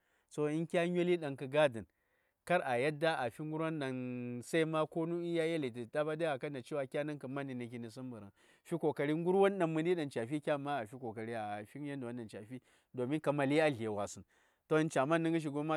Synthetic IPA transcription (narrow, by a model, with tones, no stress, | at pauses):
so˨i˦nkʲa˦ɲ˦o˦li˦ɗa˨nkɨ˨ɡa˦di˨n | ka˦ɾa˨ja˦da˦ʔa˨fi˦ŋ˦ɡu˦ɾwa˦nɗa˨nsa˦i˦ma˦ko˦nu˦i˦ja˦ja˦li˨ti˨da˦ba˦da˦a˨ka˦na˨t͡ʃi˦wa˦kʲa˦na˦ŋkɨ˨ma˦ni˨ni˨ki˨ni˨s̬u˦mbu˨ɾa̰˨n | fi˦ko˨ka˨ɾi˦ŋ˦ɡu˦ɾwa˦nɗa˨mːɨ˨ndi˦ɗa˨nt͡ʃa˨fi˦kʲa˦ma˦a˨fi˦ko˨ka˨ɾi˦a˨fi˦ja˦nda˨wa˦n˦ɗa˨nt͡ʃa˨fi˦ | do˨mi˦ka˨ma˨li˦a˦ɮe˨wa˨sɨ˨n | to˦nt͡ʃa˨ma˦nːi˦ŋɡi˦ʃ̬i˨ɡo˦ma˦